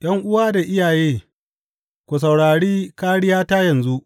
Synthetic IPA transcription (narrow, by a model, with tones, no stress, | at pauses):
j̰ɐ˦ŋʔʊ˦waː˦da˨ʔɪ˦jaː˨jeː˦ | kʷu˨s̬a˨wɽaː˨ɽiː˦kaː˦ɽɪ˦jaː˦taː˦jɐ˨nzu˦ʔ